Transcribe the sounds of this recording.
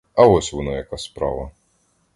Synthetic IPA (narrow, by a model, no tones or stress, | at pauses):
ɐvɔsʲvɨnajakasʲspɾa̰vɐ